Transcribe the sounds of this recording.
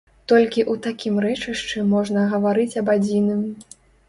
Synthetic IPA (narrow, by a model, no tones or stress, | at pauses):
t̪ɔlʲkʲiʔut̪akʲimrɛt͡ʂɨʂt͡ʂɨmɔʐnɐɣɐvaɾɨt͡sʲɐbad͡zʲinɨm